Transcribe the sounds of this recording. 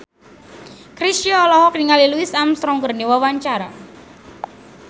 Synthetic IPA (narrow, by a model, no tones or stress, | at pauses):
kɾisiɔːlɔɦɔkniŋaliluisamst̪ɾɔŋɡərniwawaɲt͡ʃaɾa